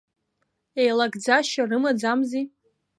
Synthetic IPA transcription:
ejlaɡd͡zaʃarɨmad͡zamzi

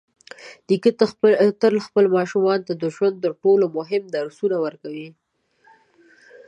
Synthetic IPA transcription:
d̪̥ikit̪t̪əlxpəlmɑʃumɑnt̪ad̪əʒwand̪̚t̪əɾʈolomʊɦɪmd̪aɾsunawəɾkawi

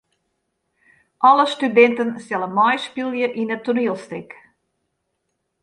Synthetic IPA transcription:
ʔɔləstydɛntənsɛlənmɔjspilˠjəʔinətuniəlˠstek

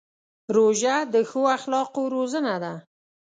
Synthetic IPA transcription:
ɾoʒad̪əxoaxlɑqoɾozənad̪a

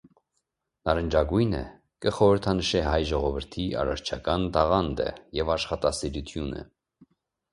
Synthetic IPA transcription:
nɑɾənd͡ʒɑɡujnə̰ | kəχɔɾəɾt̪ʰɑnəʃɛɦɑjʒɔʁɔvəɾt̪ʰiʔɑ̰rɑɾt͡ʃʰɑkɑnt̪ɑʁɑnd̪ə̰jɛvɑʃχɑt̪ɑsiɾut̪ʰjunə̰

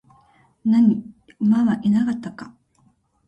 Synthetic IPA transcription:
naɲi | maβaʔinakat̪ːaka

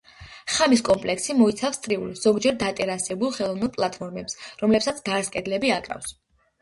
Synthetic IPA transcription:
χamis̬kʼɔmpʼlɛksimɔit̪sʰafst̪ʼɾiuliz̥ɔɡd͡ʒɛɾd̪at̪ʼɛɾasɛbulˠχɛlˠɔvnɛlˠpʼlˠat̪ʰfʰɔɾmɛpsɾɔmlɛpsat̪sɡ̪aɾskʼɛd̪lɛbiakʼɾa̰fs

